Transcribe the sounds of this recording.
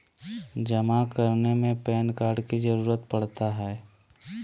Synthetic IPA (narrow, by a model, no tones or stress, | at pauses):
d͡ʒɐmakəɾnemẽpɛːnkaːɾɖkid͡ʒəɾuːɾət̪pɐɽ̤t̪aɦɛː